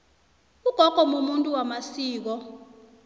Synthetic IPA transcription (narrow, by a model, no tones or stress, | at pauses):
uɡ̥ʱɔɡ̥ʱɔmomuntʼuwamasiːk̬ɔ